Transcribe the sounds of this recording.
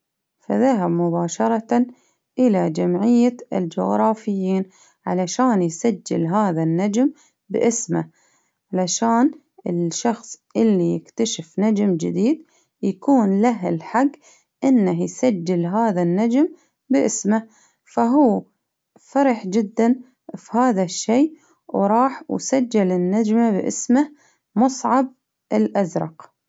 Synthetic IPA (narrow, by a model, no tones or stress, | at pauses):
faðaɦabmʊbaːʃɑɾˤɑt̪a | ʔɪlad͡ʒamʕɪjːaɪ̰ld͡ʒʊɣɾˤɑːfɪjːiːn | ʕalaʃaːnjsad͡ʒːɪ̰lɦaːðanːad͡ʒm | bɪ̰ʔɪsma | ʕalaʃaːn | ɪlʃɑxsˤʔɪlːijɪkt̪aʃɪfnad͡ʒmd͡ʒɪd̪iːd̪ | jakuːnlaɦɪlħaɡː | ʔɪnːahjsad͡ʒːɪlɦaːðanːad͡ʒm | bɪʔɪsma | faɦuː | fɑɾˤɑħd͡ʒɪd̪ːan | fihaːðaʃːeː | wɾˤɑːħwsad͡ʒːɪlɪnːad͡ʒmabʔɪ̰sma | mʊsˤʕɑb̚ | ʔɪlʔazɾˤɑ̰q